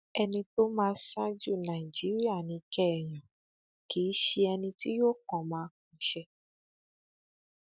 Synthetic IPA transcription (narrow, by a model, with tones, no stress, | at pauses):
ɛ˧nĩ˧to˦mãː˦˧sã˦d͡ʒu˦˨nã˨i˨d͡ʒi˨˦ɾi˦a˦˨nĩ˨˧kɛ˦ɛ˨j̃ã˨ | kiː˨˦ʃe˧ɛ˧nĩ˧ti˦jo˦˨kɔ̃˨mãː˨˦kũ˨˦ʃɛ˧